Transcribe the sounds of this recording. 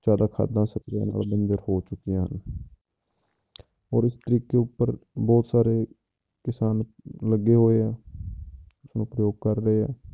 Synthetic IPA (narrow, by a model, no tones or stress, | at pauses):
t͡ʃaːd̪aːkʰa̰ːd̪ãːsəkɾjã̰ːna̰ːlbə̃nd͡ʒ̪əɾhoːt͡ʃʊkːijãːɦə̰n | ɔːɾɪst̪əɾiːkeːʊpːəɾbɔːt̪saːɾeː | kɪsaːn | ləɡːeːɦoːeɛː | ʊsnũːpɾəjoːɡ̚kəɾːəeːɦɛ̰ː